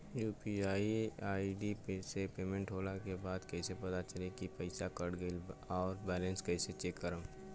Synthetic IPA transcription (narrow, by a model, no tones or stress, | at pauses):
juːpiaːiaːiɖipsepeːmẽɳʈɦoːlakebaːd̪kɛɪsepɐt̪at͡ʃɐlekipɐɪsakɐɽɡəlɔːɾbɛːlə̃nskɛɪset͡ʃeːkːəɾəm